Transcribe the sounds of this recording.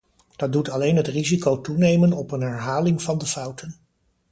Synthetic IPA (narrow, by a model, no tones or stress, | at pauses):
d̥ɑt̚dutɑlejnɦətrizikowtunejmənɔpənɦɛɹɦaːlɪŋvɑndəfʌwtən